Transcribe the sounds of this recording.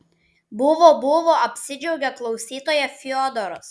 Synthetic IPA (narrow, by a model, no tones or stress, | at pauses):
bʊʋoːbʊʋoːɐpʲsʲɪd͡ʒʲɛʊɡʲɛklˠɒʊsʲiːt̪oːjɛfʲɪɔd̪ɔɾɔs